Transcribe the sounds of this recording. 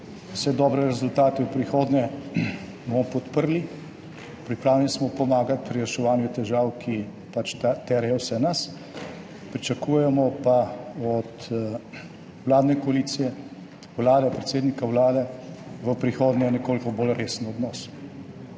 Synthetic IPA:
wsɛd̪ɔːbɾɛɾɛzult̪aːt̪ɛwpɾixoːd̪nɛ | bomɔpɔt̪pəɾli | pɾipɾaːwlɛnismɔpɔmaːɡat̪̚pɾijaʃɛʋaːnjut̪ɛʒaːwkʰi | pat͡ʃt̪ɛɾjɛwsɛnas | pɾit͡ʃɐkuːjɛmɔpaɔt̪ | wlaːd̪nɛkɔaliːt̪sijɛ | wlaːd̪ɛpɾɛt̪seːd̪nikawlaːd̪ɛʋəpɾixoːd̪nɛjnɛkoːlikɔbolɾeːsn̩ɔd̪nɔːs

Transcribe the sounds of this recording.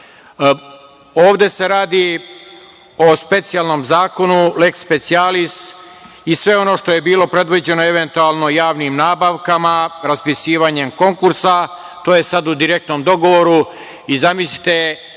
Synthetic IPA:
o̞ːʋd̪e̞se̞ɾaːd̪i | o̞spe̞t̪sijalno̞mzaːko̞nulekspet̪sialist̪ | isʋe̞o̞no̞ːʂt̪o̞je̞biːlo̞pɾe̞d̪ʋid͡ʑe̞noe̞ʋe̞nt̪ualˠno̞jaːʋnimnaːbaʋkamaɾaspisiːʋaɲe̞mko̞ŋkuɾsa | t̪oːjesad̪ud̪iɾe̞k̚t̪nomd̪o̞ɡo̞ʋo̞ɾu | izamislit̪e̞

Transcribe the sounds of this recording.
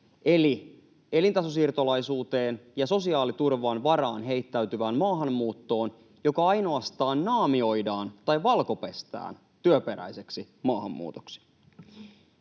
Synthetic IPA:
ʔe̞li | e̞lint̪ɑsosirt̪olɑjsuːt̪e̞ːnjɑso̞siɑːlit̪urʋɑːnʋɑɾɑːnɦe̞jt̪ːæyt̪yʋæːnmɑːɦɑmːuːt̪ːo̞ːn | jo̞kɑɑjno̞ɑst̪ɑːnnɑːmio̞jdɑːnt̪ɑjʋɑlko̞pe̞st̪æ̰ːn | t̪yøpe̞ɾæ̰jse̞ksi | mɑːɦɑmːṵːt̪o̥ksi̥

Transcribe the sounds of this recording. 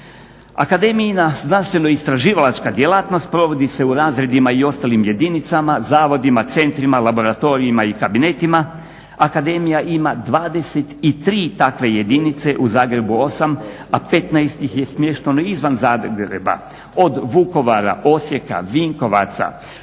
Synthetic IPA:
a̰kad̪e̞mijinaznanst̪ʋe̞noist̪ɾaʒiːʋalat͡ʃkad̪jelˠat̪no̞st̪̚pɾo̞ʋo̞d̪ise̞uɾaːzɾe̞d̪imaio̞st̪alimje̞d̪init̪samazaːʋo̞d̪imat̪se̞nt̪ɾimalabo̞ɾat̪o̞ɾiimaikabine̞t̪ima | akad̪e̞mijaʔimad̪ʋaːd̪e̞set̪it̪ɾiːt̪akʋe̞je̞d̪init̪se̞ʔuzaːɡɾe̞buo̞samape̞t̪naest̪ixje̞smje̞ʃt̪enoizʋanzaːɡɾḛba̰ | o̞d̪ʋuko̞ʋaɾa̰ʔo̞sje̞ka̰ʋiŋko̞ʋa̰t̪sa̰

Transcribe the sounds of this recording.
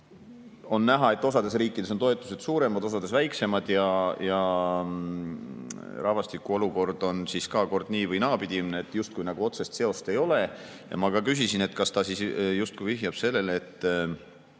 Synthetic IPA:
o̞nːæɦɑe̞t̪ːˑo̞sɑd̪esriːkːˑid̥̪e̞sot̪o̞e̞t̪ːˑu̥se̞d̪̥suːɾe̞mɑd̪̥o̞s̬ɑd̪e̞svæjkse̞mɑd̪̥jɑjɑ | rɑvɑst̪ikːuo̞luko̞rd̪̥o̞nsiskɑko̞rd̪̥niːvɤjnɑːpid̪̥imneet̪ːˑjust̪̚kujnɑɡ̥uo̞t̪se̞st̪seo̞st̪e̞jo̞le̞ | jɑ̰mɑkɑkys̬isine̞t̪kɑst̪ɑsisjust̪̚kuijviɦjɑb̥se̞lːe̞let̪ːˑ

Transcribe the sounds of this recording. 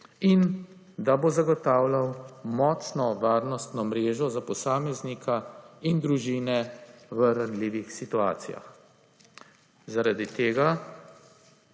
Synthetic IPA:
in | d̪abozaɡɔt̪aːwlawmɔːt͡ʃnɔʋaːɾnɔst̪nɔmɾeːʒɔzapɔsaːmɛznikʰaind̪ɾuʒiːnɛʋəɾanliːʋixsit̪uaːt̪sija̰x | zaɾad̪it̪eːɡa

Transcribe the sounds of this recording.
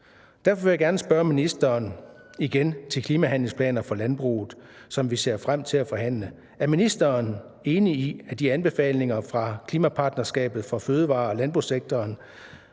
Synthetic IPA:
d̥æɐ̰fɒʋe̝jaɡ̥æɐnəsb̥ɶɐminisd̥ɐːn | iɡ̥ent͡sʰe̝lkʰliːmæɦæn̰le̝ŋspʰlɛ̰ːnɐfɒ̽lænb̥ʁṵːð̩ˠ | sɒ̽mʋise̝ɐ̰fʁam̰t͡sʰe̝læfɒ̽ɦæn̰lə | æɐminisd̥ɐːn | e̝ːniːæd̥iænb̥e̝fɛ̰ːle̝ŋɐfʁɑ̈kʰliːmæpʰɑ̈ːd̥nɐsɡ̥ɛ̰ːb̥ð̞̩ˠfɒ̽føːð̞ˠʋɑ̰̈ːɒlænb̥ʁuseɡ̥̚t͡sʰɒːn

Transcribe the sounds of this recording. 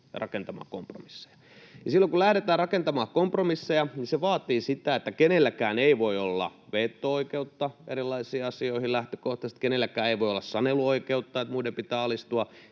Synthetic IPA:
rɑkent̪ɑmɑ̰ːkompro̰misːe̥jɑ̥ | jɑsilːoŋkulæhɾet̪æːrɑkent̪ɑmɑːhkompromisːejɑniseʋɑːt̪iːsit̪æet̪ːækenelːækæːneiʋoiolːɑ̰ʋet̪ːooikeut̪ːɑʔḛɾilˑːɑisiːɑsioihilæht̪ø̥koht̪ɑst̪kenelːækæːeiʋoiolːɑssɑneluoikeut̪ːɑet̪muidempit̪æːɑlist̪uɑ

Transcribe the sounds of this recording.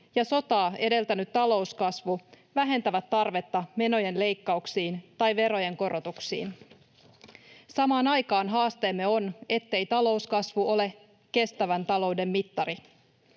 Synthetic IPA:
jɑso̞t̪ɑːe̞de̞lt̪ænyt̪tːɑlo̞uskɑsʋu | ʋæɦe̞nt̪æʋæt̪ːɑrʋe̞t̪ːɑme̞no̞je̞nle̞jkːɑuksiːnt̪ɑjʋe̞ɾo̞je̞ŋko̞ɾo̞t̪uksḭːn | sɑmɑːnɑjkɑːnɦɑːst̪e̞ːmːe̞o̞ne̞t̪ːe̞jt̪ɑlo̞uskɑsʋuʔo̞le̞ | ke̞st̪æʋænt̪ɑlo̞ude̞mːit̪ːɑɾi

